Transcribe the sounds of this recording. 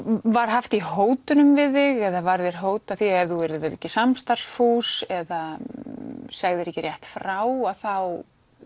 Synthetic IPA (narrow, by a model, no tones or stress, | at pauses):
vaɾ̥ɦaft̪iɦoːwt̪ʏnʏmvɪðɪɣɛðavaɾðɪɾ̥ɦoːwt̪aθiɛvðuvɛɾɪðɪɾɛ̰cːɪsamst̪ar̥sfuːsɛða | saɣðɪɾɛhcːɪrjɛht̪fɾawaðθaw